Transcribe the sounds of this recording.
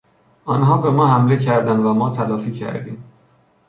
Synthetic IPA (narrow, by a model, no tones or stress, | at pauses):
ʔɒːnɦɒːbe̞mɒːhæmle̞cʰæɾd̪ænd̪væmɒːt̪ʰælɒːfiːcʰæ̰ɾd̪ḭːm